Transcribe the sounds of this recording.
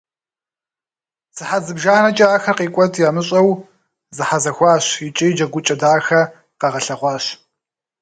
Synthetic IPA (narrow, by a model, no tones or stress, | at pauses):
z̥ɨħazɨbʒaːnɐt͡ʃʼaaːxɐqiːkʷʼɔtʰjaːmɨɕʼɐw | zɨħazɐxʷɑːɕɪt͡ʃʼɪjd͡ʒɐɡʷʊt͡ʃʼɐdaːxɐ | qɐʁɐɬɐʁʷɑːɕ